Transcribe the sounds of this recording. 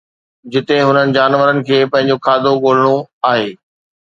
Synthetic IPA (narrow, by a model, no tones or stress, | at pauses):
d͡ʑɪt̪eɦʊnənɪ̆d͡ʑaːnʋəɾənɪ̆kʰeːpɐ̃ɦɪ̃ɲd͡ʑokʰaːd̪ʱoɠoːl̤əɽ̃oaːɦeː